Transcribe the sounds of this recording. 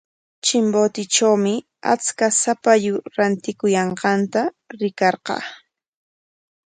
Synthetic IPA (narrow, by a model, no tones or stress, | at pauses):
t͡ʃɪmbot̪ɪt͡ʃawmɪ | a̰t͡skasapajʊɾant̪ɪkʊjɑɴqɑnt̪a | ɾɪkɑɾqɑ̰ː